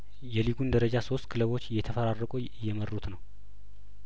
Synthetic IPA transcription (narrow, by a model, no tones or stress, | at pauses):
jɛliɡund̪əɾəd͡ʒaso̞st̪kʰɨləβo̞t͡ʃːjɛt̪ʰəfəɾarːəkʼu | jːɛmərːut̪nəw